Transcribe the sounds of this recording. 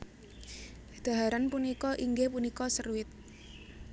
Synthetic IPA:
d̪̥a̤ɦaɾanpunikɔʔiŋɡepunikɔsəruɪt̪̚

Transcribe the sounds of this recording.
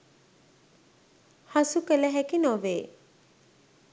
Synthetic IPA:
hasukələɦɛkinɔʋeː

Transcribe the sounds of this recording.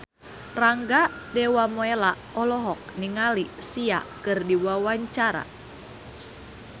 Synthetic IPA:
raŋɡadɛwamoela | ɔlɔɦɔk̚niŋalisiakɨrdiwawaɲt͡ʃaɾa̰

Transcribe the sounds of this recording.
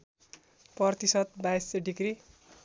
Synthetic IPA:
pʌrt̪isʌt̪̚bajsʌɖikri

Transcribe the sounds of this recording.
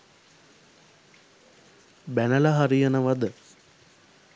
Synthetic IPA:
bænəlɐɦaɾijənəʋad̪ə

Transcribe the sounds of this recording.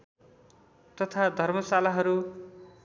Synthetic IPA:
t̪ʌt̪ʰad̪ʱʌrmʌsalaɦʌɾu

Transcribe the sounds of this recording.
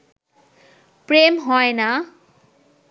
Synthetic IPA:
premɦɔenʌ

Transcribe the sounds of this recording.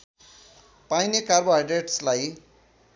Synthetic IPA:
pajnekarbʌɦajɖeʈslaj

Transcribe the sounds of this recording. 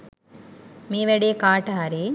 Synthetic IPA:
meːʋeɽekaːʈaɐɾe

